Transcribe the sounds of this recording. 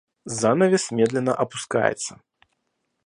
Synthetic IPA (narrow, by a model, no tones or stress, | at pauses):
zanɐvʲɛsʲmʲɛd̪lʲɛnːɐʔɐpuska̰jɛ̰t̪sːɐ